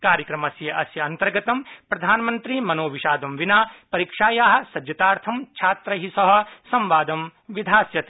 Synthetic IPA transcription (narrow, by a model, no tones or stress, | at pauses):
kaːɾjɐkɾɐmɐsjɐʔɐsjɐɐnt̪ɐɾɡɐt̪ɐmpɾɐd̪ʱaːnɐmɐnt̪ɾimɐnoːʋiʃaːd̪ɐmʋinaːpɐɾiːkʂaːjaːɦɐ̆sɐd͡ʒjɐt̪aːɾt̪ʰɐmt͡ʃʰaːt̪ɾɐɦisɐɦɐ̆sɐ̃mʋaːd̪ɐmʋid̪ʱaːsjɐt̪i̥